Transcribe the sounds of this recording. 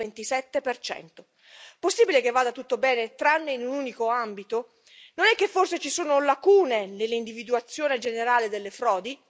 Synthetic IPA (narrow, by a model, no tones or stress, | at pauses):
ent̪isɛt̪ːepert͡ʃɛ̰nt̪o | posːibilekevːaːd̪at̪ut̪ːobɛːnet̪ɾanːeinunuːnikoambit̪o | nonɛkːefːorset͡ʃisuːnolakuːnelelːeind̪ivid̪uat̪sːjoːned͡ʒeneɾaːled̪elːefɾɔːd̪i